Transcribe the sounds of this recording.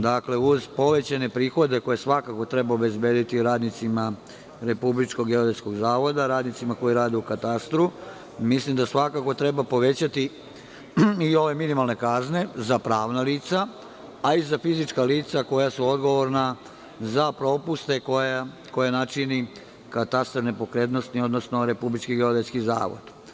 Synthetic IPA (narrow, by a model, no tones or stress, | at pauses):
d̪akle̞uzpo̞ʋe̞t͡ɕane̞pɾiːxo̞d̪e̞ko̞jesʋakako̞t̪ɾe̞baobe̞zbe̞ːd̪it̪iɾaːd̪nit̪sima | ɾe̞publit͡ʃko̞ɡjeoɾesko̞ɡzaːʋo̞d̪aɾaːd̪nit̪simako̞jiɾaːd̪eukat̪ast̪ɾu | mislimd̪asʋakako̞t̪ɾe̞bapo̞ʋe̞t͡ɕat̪i | io̞ʋe̞minimalne̞kazne̞zapɾaːʋnaliːt̪saː | izafizit͡ʃkaliːt̪sako̞jasuo̞d̪ɡo̞ʋo̞ɾna | zapɾo̞pust̪e̞koja | ko̞janat͡ʃini | kat̪ast̪ɾnepo̞kɾet̪nost̪nio̞d̪no̞sno̞ɾe̞publit͡ʃkiɡeod̪et̪skiza̰ːʋo̰d̪̥